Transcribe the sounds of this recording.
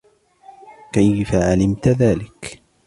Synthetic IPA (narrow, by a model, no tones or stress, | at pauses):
kajfaʕalɪmt̪ðaːlɪk